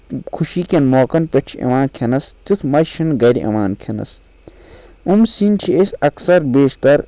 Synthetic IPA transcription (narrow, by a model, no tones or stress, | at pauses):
kʰuʃiːkʲenmoːkɐnpʲɐt͡ʃʰɐ̰ʋaːnkʰɐnɐst̪ut̪ʰmɐʃʰinɡɐɾiʔɐ̰ʋaːnkʰɐnɐ̰s | umsint͡ʃʰiesʲɐksɐɾbeːʃt̪ɐɾ